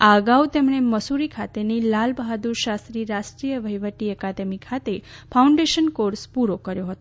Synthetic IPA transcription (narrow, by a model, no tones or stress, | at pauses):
aəɡaut̪emɳ̃eməsuɾikʰat̪enilalbɦad̪uɾʃast̪ɾiɾaʃʈɾijəʋəjʋəʈiəkad̪əmikʰat̪efʰauɳɖeʃənkoɾspuɾokəɾjoɦət̪o